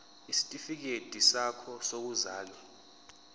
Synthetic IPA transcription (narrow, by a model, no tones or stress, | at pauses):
isi̥tʼifik̬ed̥ʼʱisakʰɔsok̬uzaːlwa